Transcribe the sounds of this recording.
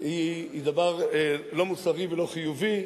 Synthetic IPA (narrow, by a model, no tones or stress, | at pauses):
id̪avaʁlo̞musaʁivelo̞χijuvi